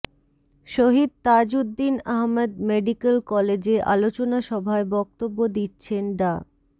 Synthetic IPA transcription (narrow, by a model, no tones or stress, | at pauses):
ʃoɦid̪̚t̪ad͡ʑud̪ːinaɦmed̪meɖikelkɔled͡ʑeʔa̰lot͡ɕonaʃɔbʱaebɔk̚t̪obːod̪itːɕʰenɖa